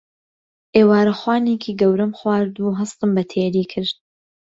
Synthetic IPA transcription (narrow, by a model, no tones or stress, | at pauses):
ʔeːwaːɾɐxwaːneːkʰiːɡɐwɾɐmxwaːɾd̪uːɦɐst̪ɨmbɐt̪ʰeːɾiːkʰɨɾd̪